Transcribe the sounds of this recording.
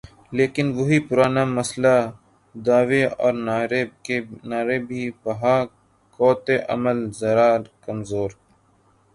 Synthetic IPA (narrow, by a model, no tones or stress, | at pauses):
leːkɪnʋoɦipʊɾaːnamɐsla | d̪aːʋeɔːɾɾenaːɾebʱiːbɐɦaː | kɔːt̪eʔɐ̰məlzɐɾaːɾkɐmzoːɾ